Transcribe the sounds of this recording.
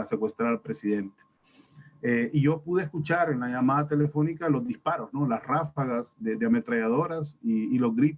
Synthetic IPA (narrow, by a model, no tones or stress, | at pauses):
se̞kwe̞st̪ɾaɾalpɾe̞siðe̞nt̪e̥ | eʔiʝo̞puðeːskut͡ʃaɾenlaʝamaðat̪e̞le̞fo̞nikalo̞zðispaɾo̞zno̞lasrafaɣasded̪eame̞t̪ɾaʝað̞o̞ɾasiːlo̞zɣɾip